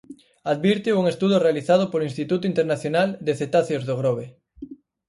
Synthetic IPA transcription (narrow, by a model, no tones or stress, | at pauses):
aðβiɾt̪iuŋest̪uðʊrealiθaðʊpoloinst̪it̪ut̪ʊint̪eɾnaθjonald̪eθet̪aθjozðoɣ̞ɾoβe